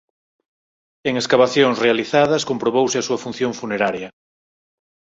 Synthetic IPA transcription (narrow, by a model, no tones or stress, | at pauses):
eŋeskaβaθjõŋsrealiθaðɐskompɾoβ̞owsɪasuɐfun̟θjõɱfuneɾaɾjɐ